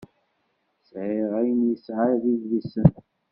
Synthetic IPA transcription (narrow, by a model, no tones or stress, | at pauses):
sʕɪʁæjənjəsʕaðivlisən